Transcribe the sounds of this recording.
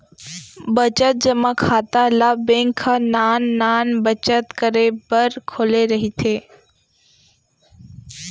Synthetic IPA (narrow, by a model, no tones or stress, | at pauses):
bət͡ʃət̪̚d͡ʒɐmakʰaːt̪alaːbẽːŋkʰːanaːnːaːnbət͡ʃət̪kəɾebəɾkʰoːleɾɐɦit̪ʰeː